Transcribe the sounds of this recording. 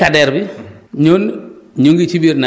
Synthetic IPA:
adɛɾbiɲonɲoŋɡit͡ʃibiɾna

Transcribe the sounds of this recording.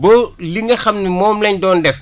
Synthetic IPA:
boliŋɡɐxɐmnimɔːmlɐɲdɔːndɛf

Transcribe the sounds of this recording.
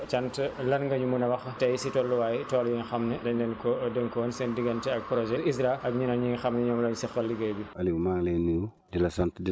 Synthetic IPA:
t͡ʃɐntlɐnŋɡɐɲumunɐwɐxtɐjsitɔlːuwaːjitɔːljiŋxɐmnɐdɐɲdɛnkɔdəŋkɔːnsɛndiɡɐntɛɐk̚pɾɔʒɛisɾaʔɐk̚ɲunɐniŋxɐmnɐɲɔːmlɔɲusixɐlːiɡɐbiɐliɡmaːŋlɛnːiwu | dilɐsɐntdi

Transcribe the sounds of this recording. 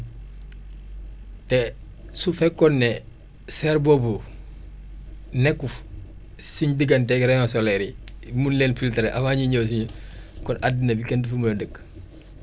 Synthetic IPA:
tɛ | sufɛkːɔnːɛ | sɛɾbobu | nɛkːuf | siɲdiɡɐnteɡɾejosolɛɾimunleːnfiltɾeʔafaːɲiɲoːs̬iɲkɔnʔadːinebikɛntəfuməədək

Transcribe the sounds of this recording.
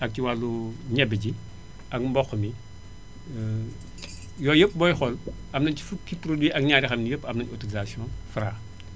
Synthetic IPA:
ɐk̚ciwalːuɲɛbeɟi | ʔɐkmbɔxmi | jɔːjəpːbɔjxɔl | ɐmnɐnci̥fukːipɾodwiʔɐk̚ɲaːɾixɐmnijəpːɐmnɐnotolizasiɔ̃nfɾa

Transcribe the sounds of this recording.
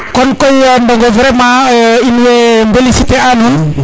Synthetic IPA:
kɔnkɔjmbɔŋɡɔvɾɛmãinwembelisiteanhun

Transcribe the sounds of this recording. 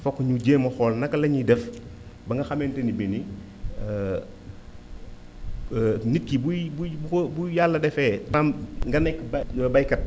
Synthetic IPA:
fɔkːɲuɟeːmɐxɔːlnɐkːɐlɐɲidɛf | bɐŋɡɐxɐmɛːntɛnibini | nit̚kibubububujalːɐdɛfɛːtɾamŋɡɐnɛkːbbɐjkɐt̚

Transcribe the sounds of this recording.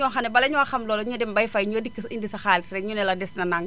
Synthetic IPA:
ɲɔːxɐnɛbɐlɐɲɔxɐmlɔːlɔɲudɛmbɐjfɐjɲɔdikːindisɐxaːlsɾɛɲunɛlɐdɛsnɐnaŋ

